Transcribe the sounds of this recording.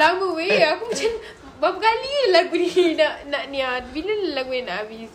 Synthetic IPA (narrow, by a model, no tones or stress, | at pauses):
laməweakumat͡ʃan | bap̚kaliəlaɡuninaʔnaʔnĩat̚biləlaɡuninaʔabis